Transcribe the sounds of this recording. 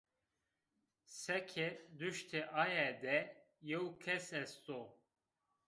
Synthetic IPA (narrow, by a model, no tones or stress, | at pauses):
sɛkʰɛd̪yʃt̪ʰiʔajɛd̪ɛ | jekʰɛsɛst̪o